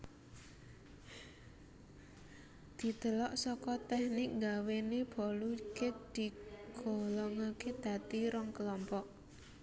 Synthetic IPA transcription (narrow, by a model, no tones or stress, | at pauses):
d̪̥i̤t̪əlɔʔsɔkɔt̪ɛhnɪŋɡaweneb̥ɔ̤lukek̚d̪̥i̤ɡ̥o̤lɔŋaked̪̥a̤t̪iɾɔŋkəlɔmpɔʔ